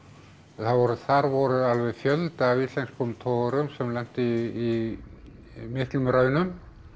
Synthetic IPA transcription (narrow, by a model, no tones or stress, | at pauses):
θaðvɔɾʏθaɾvɔɾʏalvɛðfjœlt̪aːvislɛjnspʰɔmt̪ʰɔɣaɾʏmsɛmlɛn̥t̪ɪː | mɪht̪lʏmɾœːɥnʏm